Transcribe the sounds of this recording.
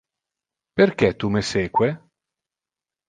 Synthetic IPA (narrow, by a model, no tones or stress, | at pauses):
perk̟ɛt̪umeseːkwe